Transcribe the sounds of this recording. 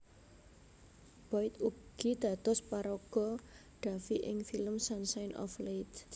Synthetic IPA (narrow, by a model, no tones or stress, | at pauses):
b̥ɔɪt̪ubɡ̥i̤d̪̥a̤t̪ɔspaɾɔɡ̥ɔ̤ | ɖ̥a̤fiʔɪŋfiləmsansajnʔɔ̰flet̪